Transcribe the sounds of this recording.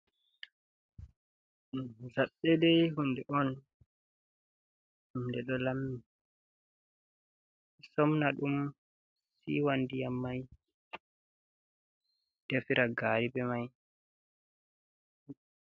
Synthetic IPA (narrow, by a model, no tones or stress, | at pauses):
zaɓːɛdɛjɦundɛʔɔn | humdɛɗɔlamːi | sɔmnaɗum | sḭwandijamːaj | d̥ɛfiɾaɡaːɾibɛmaj